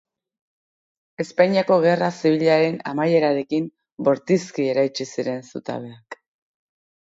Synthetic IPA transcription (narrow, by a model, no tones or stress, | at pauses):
e̞spaɲiako̞ɣ̞e̞rasiβ̞iʎaɾe̞na̰maje̞ɾaɾe̞kim | bo̞ɾt̪iskie̞ɾajt͡ʃisiɾe̞nsṵt̪a̰βe̞ak